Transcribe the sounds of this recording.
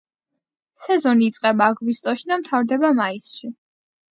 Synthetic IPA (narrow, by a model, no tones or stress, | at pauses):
sɛzɔniːt̪sʼqʼɛbaːɡvist̪ʼɔʃid̪amt̪ʰavɾd̪ɛbamaisʃi